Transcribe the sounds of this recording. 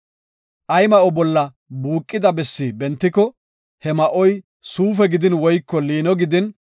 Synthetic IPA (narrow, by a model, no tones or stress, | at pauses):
ʔɐjmɐʔɔbɔlːɐ | buːkʼːɪd̪ɐbɛsːibɛnt̪ːɪkɔ | hɛmɐʔɔj | suːfɛɡɪd̪ɪnwɔjkːɔliːnɔɡɪd̪ɪn